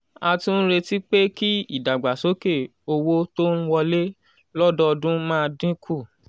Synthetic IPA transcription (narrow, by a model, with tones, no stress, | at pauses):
a˧tũ˦n̩˦ɾe˧ti˦k͡pe˦ki˦i˦˨da˨ɡ͡ba˨so˨˦ke˦˨ | o˧wo˦to˦n̩˦wɔ˧le˦ | lɔ˦dɔ˦ɔ˧dũ˦mãː˦˧dĩ˦kʰu˦˨